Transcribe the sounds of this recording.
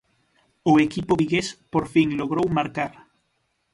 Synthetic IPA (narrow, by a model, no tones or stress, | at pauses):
ʊekipʊβiɣespoɾfiŋloɣɾowmaɾkaɾ